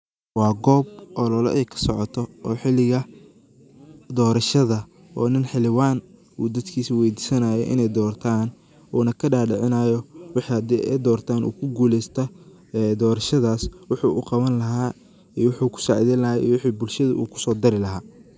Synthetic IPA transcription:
wɑːɡɔːb̚ʔɔlɔlɔ̰ʔɛjkʰɐ̥sɔʕɔt̪ʰɔʔɔːħɪlɪɣɐ | d̪ɔːɾɐʃɐðɐ | ʔɔːnɪnħɪlɪwaːn | uːd̪ɐd̪kʰiːsiwɛjd̪iːsɐnaːjɔʔɪ̰nɛjd̪ɔːrt̪ʰaːn | ʔuːnɐkʰɐɖaːɖɪʕɪnaːjɔwɪħhɐd̪ɛʔɛjd̪ɔːrt̪ʰaːnṵːkʰʊɡuːlɛjst̪ʰɐ | ɛd̪ɔːɾɐʃɐðaːswʊħuːʔʊqɑβɐnlɐɦaː | iwʊħuːkʰʊ̥saːʕɪðiːnlɐɦaːḭːwɪħiːbʊlʃɐðʊʔṵːkʰʊ̥sɔːd̪ɐɾɪlɐɦaː

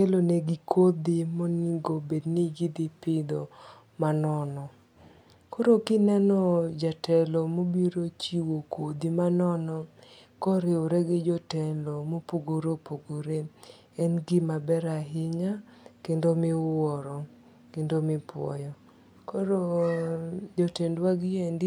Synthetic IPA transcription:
keloneɡikʰod̪imoniɡobedniɡid̪ɪpɪd̪ɔ | manɔnɔ | koɾokɪnɛnɔd͡ʒatɛlɔmobiɾot͡ʃiwokod̪imanɔnɔkɔɾɪoɾɛɡɪd͡ʒɔtɛndomopoɡoɾopoɡoɾe | ɛnɡimabɛɾaɦɪɲakendomɪɔɾɔ | kendomɪpwɔ̰jɔ | koɾo | d͡ʒotɛndwaɡjendi

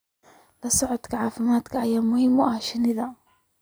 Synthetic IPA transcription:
lasʊʕt̪kʕaːfɪmaːt̪kʔajamʊhɪmːwʔaʃanɪða

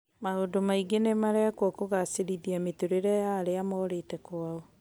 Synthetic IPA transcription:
maodomaiɡenemaɾeakwɔkoɣaseɾiðiametoɾeɾɛjaːɾeamɔːɾetɛkwaɔ

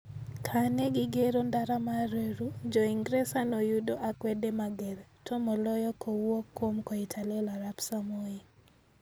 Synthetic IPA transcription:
kʰanɛɡɪɡeɾondaɾamaɾeɾud͡ʒɔiŋɡɾesanɔjudoʔakwɛdemaɡɛɾtʰɔmɔlɔjɔkʰowwokːomkɔitʰalelaɾapsamoi

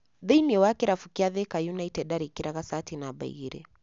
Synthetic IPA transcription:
ðɛjniwakiɾafukiaðɛkajunaitɛdaɾikiɾaɣasatinaɓa̰iɾɛ̰

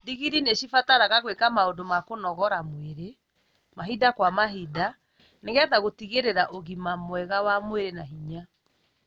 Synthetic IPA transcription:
diɣiɾineɕifataɾaɣaɣwekamaondomakonɔɣɔɾamweɾe | maɦidakwamaɦida | neɣɛðaɣotiɣeɾeɾaʔoɣimamwɛɣawamweɾenaɦiɲa

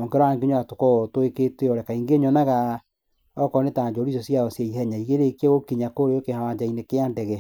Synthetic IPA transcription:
ɔŋkeɾɔaŋɡiɲɔatokɔtoeketeɔɾɛkaiŋɡeɲɔnaɣa | ɔkɔnetaɲd͡ʒɔɾisɔsiaoseihɛɲaiɣeɾekeɣokiɲakoɾeokehawaɲd͡ʒainekeandɛɣɛ

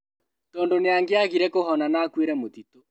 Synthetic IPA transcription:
tɔːndoneaŋɡeaɣiɾɛkoɦɔnanaːkweɾɛmotito

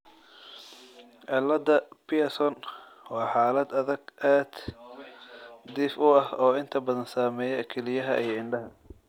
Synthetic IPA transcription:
ʕɛlːɐd̪ɐpɪɐsɔn | wɑːħaːlɐd̪ɐðɐɡʔaːd̪̥ | d̪ɪfʊɐhɔːɪnt̪ʰɐbɐðɐnsaːmɛːjɛkʰɛlɪjɐɦɐ̰ʔijɞɪɳɖɐɦɐ

